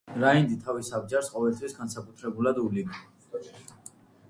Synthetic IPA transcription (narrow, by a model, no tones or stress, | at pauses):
ɾaind̪it̪ʰavisabd͡ʒaɾsqʼɔvɛlt̪ʰwisɡansakʼut̪ʰɾɛbulad̪uliɡi